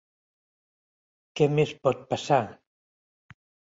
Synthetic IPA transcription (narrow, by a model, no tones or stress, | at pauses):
kɛmespɔt̪̚pasa